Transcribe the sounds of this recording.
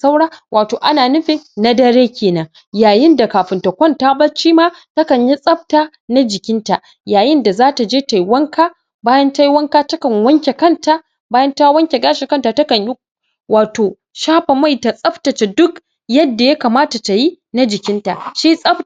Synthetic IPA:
sa˦wɽaː˦wʔaː˨toː˨ʔa˦naː˨nʊ˦ɸe˦na˦dɐ˦ɽeː˦kʲeː˨nɐ˨ŋ | jaː˨jɪ˦nda˨kaː˨ɸɪ˨nta˨kʷɔ˦ntaː˦bɐ˦t͡ʃiː˦maː˦ | tɐ˦kɐ˨ɲji˦sʼɐ˦ɸ̚taː˦ | na˦d͡ʒɪ˨kʲɪ˦nta˨ | jaː˨jɪ˦nda˨zaː˦ta˨d͡ʒeː˦ta˨jwɐ˦ŋkaː˦ | baː˦jɐ˦nta˦jwɐ˦ŋkaː˦tɐ˦kɐ˨ŋwɐ˦ŋkʲe˨kɐ˦˨ntaː˦ | baː˦jɐ˦nta˦wɐ˦ŋkʲe˨ɡaː˦ʃɪ˨kɐ˦nta˨tɐ˦kɐ˨ɲji˦ | wʔaː˨toː˨ | ʃaː˦ɸa˨ma˦˨jta˨sʼɐ˦ɸtɐ˨t͡ʃe˨dʊ˦k | jɐ˦dːa˨ja˦kaː˨maː˦ta˨ta˨ji˦ | na˦d͡ʒɪ˨kʲɪ˦nta̰˨ʃi˦sʼɐ˦ɸ

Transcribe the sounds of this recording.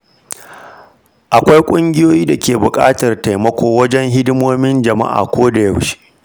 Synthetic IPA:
ʔa˨kʷa˦jkʷʼʊ˦ŋɡʲɪ˦joː˦jiː˦da˨kʲeː˨bʊ˨kʼa̰ː˦tɐ˨rta˨jmɐ˦kʷoː˨wɐ˦d͡ʒɛ˦ŋɦɪ˦dɪ˦moː˦mɪ˦nd͡ʒɐ˨ma̰˦ʔa̰ː˨kʷoː˦da˨jɐ˨wʃi̥˦ʔ

